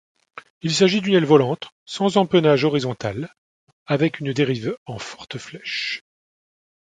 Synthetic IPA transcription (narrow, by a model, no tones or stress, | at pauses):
ilsaʒid̪ynɛlvɔlɑ̃t̪ | sɑ̃zɑ̃pənaʒɔʁizɔ̃t̪al | avɛkynd̪eʁivɑ̃fɔ̥ʁt̪əflɛʃ